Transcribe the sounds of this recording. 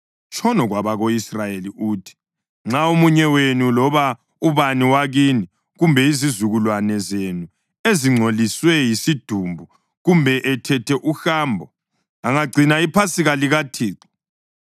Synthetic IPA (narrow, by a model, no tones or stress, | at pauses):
t͡ʃʼʰɔnɔɣwaβaɣoisrajeliʔuːtʰi̥ | ŋ͡ǁaomuɲɛwenulɔβa | uβaniwaɣini | ɣumbʱɛizizuɣulwanɛzenu | eziŋ͡ǀʱoliswɛjisid̥ʱumbʱu | ɣumbʱɛʔɛtʰɛtʰɛʔuxaːmbʱɔ | aŋaɡ͡ǀʱinaipʰasiɣaliɣatʰiːǀi̥